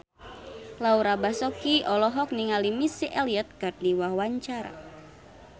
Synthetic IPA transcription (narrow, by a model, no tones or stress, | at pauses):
lauɾabasɔkiʔɔlɔɦɔk̚niŋalimisiʔɛliɔt̪̚kardiwahwaɲt͡ʃaɾa̰